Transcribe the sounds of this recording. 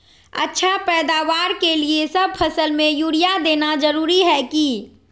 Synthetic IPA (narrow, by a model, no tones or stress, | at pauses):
ə̰tːʃʰapɛːd̪aːʋaːɾkeliesəb̚pʰəsəlmẽjuːɾijad̪eːnad͡ʒəɾuːɾiɦɛki